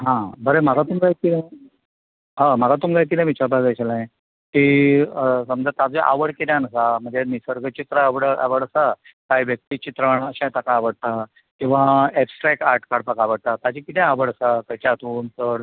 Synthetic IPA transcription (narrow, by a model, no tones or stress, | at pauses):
ɦãbəɾemaɡat̪umɡajk̪ːinã | ɦəmaɡat̪umɡajk̪̬ːinãʋit͡ɕaɾbad͡zaɕalãẽ | ki | səməd͡zət̪ad͡zeʔa̰ʋəɽkeljanəsaməɳd͡zenisəɾɡət͡ɕit̪ɾəʋəɽa̰ʋəɽəsa | kaɦjʋjək̚t̪it͡ɕit̪ɾəɳəɕãt̪akaːʋəɽt̪a | kĩw̃ʋaepsʈɾɛkaɾʈkaɽpakaʋəɽt̪at̪ad͡ʑikit̪ʰẽaʋəɽəsak̪ət͡ɕat̪ʰuːnt̪əɽ